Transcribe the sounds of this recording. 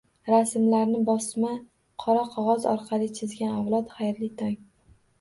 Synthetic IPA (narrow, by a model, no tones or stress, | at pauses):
ɾasmlaɾnɪbɒsma | qʰɒɾaqʰɒʁɒzɒ̰ɾqʰɑlɪt͡ʃʰɪzɡʲanavlˠɒt̪χajɾlɪt̪ʰɒŋ